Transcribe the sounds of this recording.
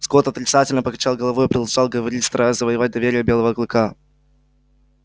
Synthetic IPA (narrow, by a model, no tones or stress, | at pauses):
sɡot̪ɐt̪ɾʲɪt̪satʲɪlʲnəpəkɐt͡ɕalˠɡəlˠɐvo̞jʊpɾʲɪd̪lˠɐʐɑlˠɡəvɐɾʲitʲst̪ɾazəvəjɪvat̚ʲd̪ɐvʲeɾʲɪjəbʲelˠəvəːklˠɨka